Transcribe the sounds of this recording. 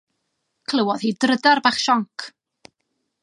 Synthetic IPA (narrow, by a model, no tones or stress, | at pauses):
kʰlˠəwɔð̥hiːdrədarbaχʃɔŋkʰ